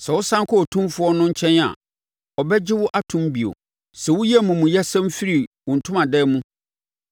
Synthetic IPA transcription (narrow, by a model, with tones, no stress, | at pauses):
sɛ˨wʊ˦sã˦ŋ˦kʰɔ˦ɔ˨tʰũ˦mfʊ˨˦ɔ˦nʊ̃˦ɲ̩˦t͡ɕʰɛ̃˦na̰˨ | ɔ˨bɛ˦d͡ʑɪ˦wʊ˦ʔa˦tʰũ˦mbi˨o̰˨ | sɛ˨wʊ˦jɛ˦˨mũ˨mũ˨jɛ˦sɛ̃˦m˦fi˦ɾi˨wʊ̃˨n̩˨tʰʊ̃˦mã˨dɛ˦mũ˦